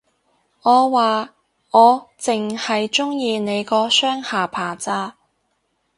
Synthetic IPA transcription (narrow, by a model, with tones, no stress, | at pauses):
ŋɔː˨˧waː˨ | ŋɔː˨˧t͡sɪ˨ŋhɐ˨jt͡sʊ˥ŋjiː˧ne˨˧jkɔː˨˧˥sœː˥ŋhaː˨pʰaː˨˩t͡saː˧˥